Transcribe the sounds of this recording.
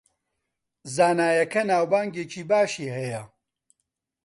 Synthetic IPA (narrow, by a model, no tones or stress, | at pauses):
zaːnaːjɐkɐnaːwbaːŋɡeːt͡ʃiːbaːʃiːhɛjɐ